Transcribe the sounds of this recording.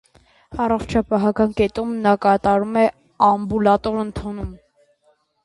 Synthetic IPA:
ɑrɔχt͡ʃʰɑpɑɦɑkɑnkɛt̪umnɑkɑt̪ɑɾumɛ | ɑmbulɑt̪ɔɾənt̪ʰɔnum

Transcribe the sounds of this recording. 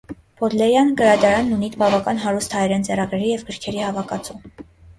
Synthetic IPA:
pɔd̪lɛɾjɑnɡəɾɑd̪ɑɾɑnːunit̪bɑvɑkɑnɦɑɾust̪ʰhɑjɾɛnt͡sɛɾɑɡɾɛɾijɛvɡəɾkʰɛɾihɑvɑkɑt͡su

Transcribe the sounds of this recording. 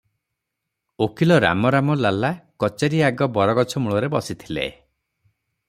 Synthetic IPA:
okʰilɔɾa̰mɔɾamɔlalakɔt͡ʃaɾiaɡɔbɔɾɔɡɔt͡ʃʰɔmuɭɔɾebɔsit̪ʰilḛ

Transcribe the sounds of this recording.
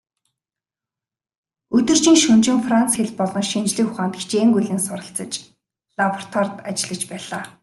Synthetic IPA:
ɵt̪ɵ̆r̥t͡ɕĭŋʃɵnt͡ɕɪ̆ŋfrant͡sxeɮpɔɮɞ̆ŋʃint͡ɕɮĭːkxʊχaːnt̪ɡi̥t͡ɕeːŋɡujɮɘ̆ŋsʊɾə̆t͡sə̆t͡ɕ | ɮaprt̪ʰwart̪at͡ɕɪ̆ɮə̆t͡ɕpæːɮaː

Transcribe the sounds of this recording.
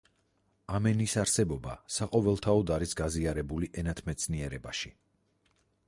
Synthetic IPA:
amɛnisaɾsɛbɔba̰saqʼɔvɛlˠt̪ʰaɔd̪aɾisɡaziaɾɛbuliʔɛnat̪ʰmɛt̪sʰniɛɾɛbaʃi

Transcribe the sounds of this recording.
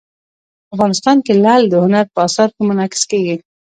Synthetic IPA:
afɣɑnɪst̪ɑnkelald̪əhʊnaɾpəɑsɑɾkəmʊnɑkɪ̥skeɡi

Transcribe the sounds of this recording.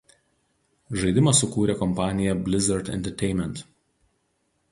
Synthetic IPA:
ʒɐɪd̪ʲɪmɐsʊkuːɾʲekɔmpɑːnʲɪjɛbʲlʲɪzʲɛɾt̪ʲɛ̰nʲt̪ʲɛɾʲt̪ʲɛɪnʲmʲɛnt̪

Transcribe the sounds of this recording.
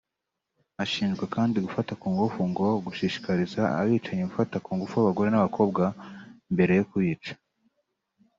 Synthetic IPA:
aʃiːnʒɡwakaːndiɡufatakuːŋɡufuŋɡo̞ɡuʃiːʃi̥kaɾizaa̰βiːt͡ʃaɲeɡufatakuːŋɡufuaβaɡo̞ɾe̞naβakʰo̞ːbɡambe̞ɾe̞jokuiːt͡ʃḁ

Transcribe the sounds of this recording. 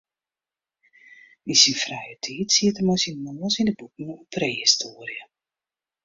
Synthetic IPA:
isinfrɛjətʰiːtsiətəmosinənoːsindəbuk̚nuupreːhistʰoːəɾjə

